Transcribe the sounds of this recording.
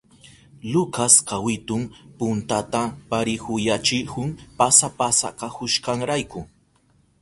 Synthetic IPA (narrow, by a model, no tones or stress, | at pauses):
lʊkaskawɪt̪ʊŋpʊnt̪at̪apaɾɪkʊjat͡ʃɪhʊŋpasapasa̰kakʊʃkaŋɾajkʊ